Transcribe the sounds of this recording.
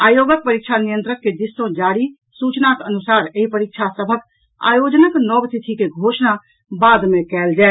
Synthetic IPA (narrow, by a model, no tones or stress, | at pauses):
ajoɡək̚pəɾik̚t͡ʃʰanijənt̪ɾəkːed̪isːõd͡ʒaɽi | sut͡ʃnakənusaɾeɦipəɾik̚t͡ʃʰasəbʱək | a̰jod͡ʒnəknɔbst̪ʰit̪ʰikeɡʱosna | bad̪mekɛld͡ʒae